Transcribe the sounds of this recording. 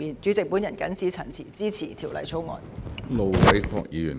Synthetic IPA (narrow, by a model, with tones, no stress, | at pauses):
iː˨˩nt͡ʃy˨˥t͡sɪ˨k̚puː˨˥njɐ˨˩nkɐ˨˥nsiː˨˥t͡sʰɐ˨˩nt͡sʰiː˨˩t͡siː˥t͡sʰiː˨˩t̪ʰi˨˩wlɐ̰˨˩jt͡sʰo˨˥wŋɔ̰ː˧nlo˨wwɐ˨˥jkʰɔː˧k̚jiː˨˧jyː˨˩n